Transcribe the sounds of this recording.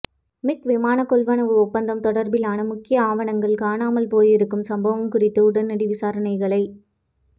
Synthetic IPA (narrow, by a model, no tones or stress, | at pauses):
mɪkʋɪmaːnɐkːɔɭʋɐnɐʋɯɔpːɐnd̪ɐmt̪ɔɽɐɾbɪlaːnɐmʊkːɪjɐaːʋɐɳɐŋɡɐɭkaːnaːmɐlpoːjɪɾɯkːɯmsɐmbɐʋɐmkʊrɪt̪ːɯʊɽɐnːɐɽɪʋɪsaːɾɐɳɐɪɣɐɭɐɪ